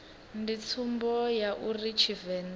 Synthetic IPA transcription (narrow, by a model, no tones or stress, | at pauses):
ndit͡sʰumbɔjaʔurit͡ʃʰivɛn